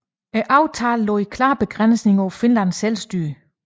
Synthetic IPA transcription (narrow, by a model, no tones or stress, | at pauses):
æʔɑ̈ʊt͡sʰɑ̈ːllɔ̰̽ːikʰlɑ̰̈ːb̥e̝ɡ̥ʁan̰sne̝ŋɒʊfinlænselsd̥yɐ